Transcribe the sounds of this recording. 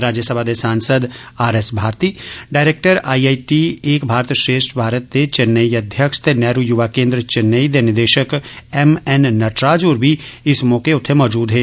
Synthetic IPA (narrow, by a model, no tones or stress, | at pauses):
ɾaːd͡ʒjəsəbʱad̪esaːnsəd̪aːɾesbʱaːɾt̪iːɖaːɪɾeːk̚ʈəɾaːiaːiʈieːkbʱaːɾt̪əʃɾeːʃʈʰbʱaːɾət̪ːet͡ʃɪnːəiɐd̪ʱjəkʃt̪enɛːɾujʊʋaːkẽːnd̪ɾət͡ʃɪnːəid̪enɪd̪eːʃəkɛmɛnːɐʈɾaːd͡ʒuːɾbʱiɪsmɔːkeʊt̪ʰemɔːd͡ʒuːd̪ɦɛː